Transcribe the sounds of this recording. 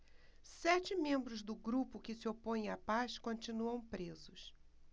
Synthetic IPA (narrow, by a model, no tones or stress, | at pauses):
sɛt͡ʃɪmẽmbɾʊzd̪ʊɡɾupʊkɪsɪopõj̃apaskõnt͡ʃinuɐ̃w̃pɾezʊs